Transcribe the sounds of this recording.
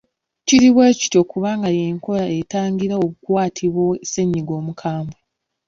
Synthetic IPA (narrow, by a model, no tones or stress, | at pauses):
ciɾiβweːci̥to̞kuβaːŋɡaje̞ːŋko̞ɾaetaːŋɡiɾaoβukwaːtʰiβwo̞ese̞ɲːiɡo̞ːmukʰaːmbwe